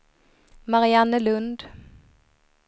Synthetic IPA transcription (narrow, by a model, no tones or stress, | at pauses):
maɾɪanːəlɵnd̪